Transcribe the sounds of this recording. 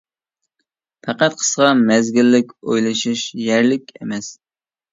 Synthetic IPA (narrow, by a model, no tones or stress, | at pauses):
pʰɑqæt̪̚qʰə̥sʁɑmæzɡʲɪlːɪkʲo̰jlˠɨʃiʃjæɾlɪkʲḛmɛs